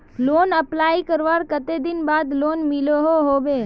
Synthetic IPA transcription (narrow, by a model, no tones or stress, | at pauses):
loːnəplaːikəɾʋaːɾkət̪ed̪ɪnbaːd̪loːnmɪloɦoɦoːbeː